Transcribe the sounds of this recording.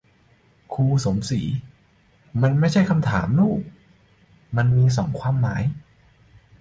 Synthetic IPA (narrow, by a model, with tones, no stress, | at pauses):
kʰuː˧so˩˦msiː˩˦ | ma˧nma˥˩jt͡ɕʰa˥˩jkʰa˧mt̪ʰaː˩˦mnuː˥˩k̚ | ma˧nmiː˧s̬ɔː˩˦ŋkʰwaː˧mːaː˩˦j